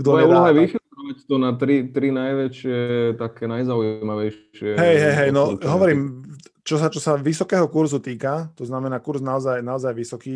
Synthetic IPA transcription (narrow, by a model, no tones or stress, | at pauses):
ɡ̥d̪ɔmaɛulɔɦaʋixilɔʋact̪ɔnat̪ɾit̪ɾinajʋɛʃɪɛt̪akɛːnajzaujimaʋɛjʃ | ɪɛɦɛjɦɛjɦɛjnɔɦɔɔɾiːmt͡ʃɔsat͡ʃɔsaʋisɔkɛːɦɔkuɾzut̪iːkat̪ɔznamɛnaːkuɾsnaɔzajnaɔzajʋisɔkiː